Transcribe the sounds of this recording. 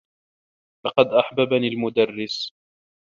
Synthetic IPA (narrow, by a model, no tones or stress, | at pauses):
lɑqɑd̪ʔaħbabaniːlmʊd̪arːɪs